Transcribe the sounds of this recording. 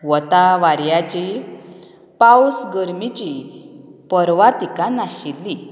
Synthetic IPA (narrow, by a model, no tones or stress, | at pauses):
ʋɔt̪aʋaɾjat͡ɕi | pawsɡəɾmit͡ɕi | pəɾʋat̪ikanaɕilːi